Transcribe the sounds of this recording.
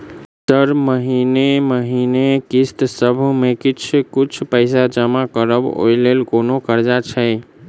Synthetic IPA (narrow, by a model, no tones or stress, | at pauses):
t̪əɾməɦineməɦinekist̪səbʱmekit͡ʃʰkit͡ʃʰpəɪsad͡ʒəmakəɾəbo̰jlelkonokəɾd͡ʒat͡ʃʰəɪ